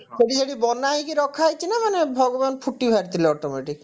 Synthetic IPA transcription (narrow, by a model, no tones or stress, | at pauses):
seɽiseɽibɔnaɦikiɾɔkʰːaejt͡ʃʰinamanebʱɔɡobanpʰuʈːibʱaɾt̪ileɔʈomeʈik